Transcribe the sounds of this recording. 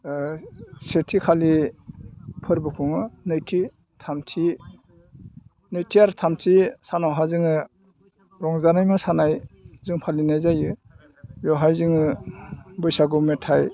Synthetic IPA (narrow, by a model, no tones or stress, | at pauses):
setʰikʰali | pʰɯɾbɯkʰuŋɯnɯjtʰi | tʰamtʰi | nɯjtʰiaɾtʰamtʰisanawɦazɯŋɯ | ɾɔŋzanajmɯsanajzɯŋpʰalinajzajɯ | jɔɦajzɯŋɯ | bɯjsaɡumetʰaj